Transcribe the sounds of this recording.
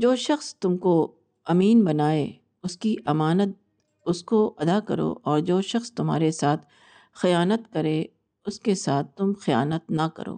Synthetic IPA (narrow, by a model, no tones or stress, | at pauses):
d͡ʒoːʃɐxst̪ʊmko | ɐmiːnbɐnaːe | ʊskiʔɐmaːnət̪̚ | ʊskoʔɐd̪akɐɾo̰ːʔɔːɾd͡ʒoːʃɐxst̪ʊmɦa̰ːɾesaːt̪ʰ | xɪjaːnət̪kɐɾe | ʊskesaːt̪̚ʰt̪ʊmxɪja̰ːnət̪̚nɐkɐ̰ɾo̰ː